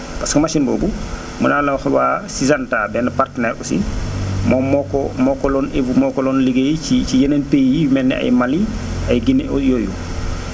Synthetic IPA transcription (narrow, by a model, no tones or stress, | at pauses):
paskomasinbo̰ːbu | mṵnalawxwasizantabɛnapaɾtnɛɾʔṵsḭmɔmɔkɔmɔkɔlɔnevumɔkɔlɔnliɡejiicijenenpejjijumɛnːɛ̰a̰jmaliʔajɡinjoju